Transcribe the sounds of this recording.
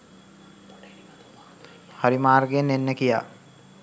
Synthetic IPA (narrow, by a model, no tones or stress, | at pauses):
haɾimaːrɡenːenːəkija̰ː